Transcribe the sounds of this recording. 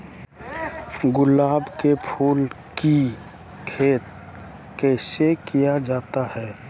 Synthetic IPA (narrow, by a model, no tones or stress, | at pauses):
ɡʊlːaːbkepʰuːl | ki | kʰeːt̪̚ | kɛːsekijad͡ʒaːt̪ahɛː